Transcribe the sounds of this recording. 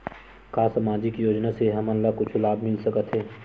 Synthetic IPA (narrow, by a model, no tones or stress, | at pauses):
kaːsamaːd͡ʒɪkjoːd͡ʒnaseɦɐmənlakʊt͡ʃʰulaːbʱmɪlsəkət̪ɦɛː